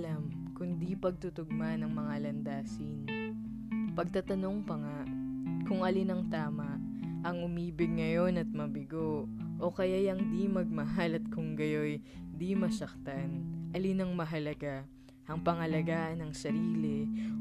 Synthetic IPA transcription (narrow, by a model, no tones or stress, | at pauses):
lam | kʊnd̪ipɐɡ̚t̪ʊt̪ʊɡ̚manɐŋmɐŋalɐnd̪aːsɪn | pɐɡ̚t̪ɐt̪ɐno̞ŋpɐŋaʔkʊŋʔɐlinɐŋt̪aːmɐʔ | ʔɐŋʊmiːbɪɡ̚ŋɐjo̞nɐt̪̚mɐbɪɡo̞ʔo̞kɐjajaŋd̪imɐɡ̚mɐɦalɐt̪̚kʊŋɡɐjo̞jd̪imɐsɐk̚t̪anʔɐlinɐŋmɐɦɐlɐɡa | ʔɐŋpɐŋɐlɐɡaːʔɐnɐŋsɐɾiːlɛ